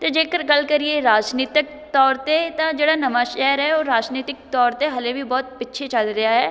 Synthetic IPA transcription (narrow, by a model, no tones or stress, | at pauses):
t̪eːd͡ʒeːkəɾɡəlkəɾieɾaːd͡ʒniːt̪ɪk̚ | t̪ɔːɾt̪et̪ãd͡ʒeːɽaːnəmaʃɛːɾɦɛoːɾaːd͡ʒniːt̪ɪk̚t̪ɔːɾt̪eɦɐlebibɔːt̪̚pɪtːʃʰet͡ʃəld̪eaɦɛː